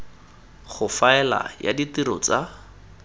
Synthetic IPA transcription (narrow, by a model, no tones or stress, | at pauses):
χʊfaɛla̰ja̰ditiɾɔ̰t͡sa